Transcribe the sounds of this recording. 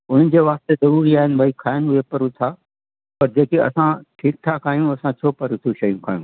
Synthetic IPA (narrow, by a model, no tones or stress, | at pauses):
ʊn̤nɪ̆d͡ʑeːʋaːst̪ezɐɾuːɾiaːɦɪnɪ̆bʱaːikʰaːɪnɦʊepɐɾʊt̪ʰaː | pɐɾd͡ʑeːkiɐ̰sãʈʰiːk̚t̪ʰakʰaːjũɐsãt͡ɕʰoːpɐɾʊt̪ʰuʃɐjũkʰaːjũː